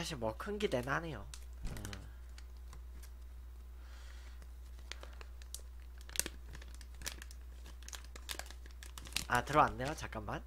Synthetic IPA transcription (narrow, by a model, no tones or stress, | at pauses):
aɕʰimwʌkʰɯnɡide̞nɦanejo | e | atɯɾʌanːejot͡ɕak͈amːan